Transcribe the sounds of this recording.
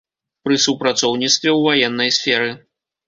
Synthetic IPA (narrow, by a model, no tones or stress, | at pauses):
pɾɨsupɾat̪sɔwnʲit̪st̪vʲɛwvajɛnːɐjsʲfʲɛɾɨ